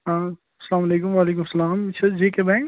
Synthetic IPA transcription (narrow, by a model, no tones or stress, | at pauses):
ɦãː | ɐsɐlaːmɐleːkʊmʋaːleːkʊmsɐlaːmt͡ʃʰɐd͡ʒekebɛ̃ːŋ